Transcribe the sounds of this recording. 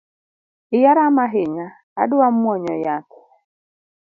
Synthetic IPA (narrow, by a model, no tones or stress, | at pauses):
ɪjaɾamaɦɪɲa̰ː | dʊam̩wɔɲɔjatʰɛ̥